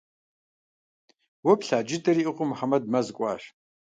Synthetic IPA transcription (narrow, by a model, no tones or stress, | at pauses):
wɐpɬaːd͡ʒɪdʼɐɾiːʔɨqʷʼʊmħamɐdmɐzkʷʼɑ̰ːɕ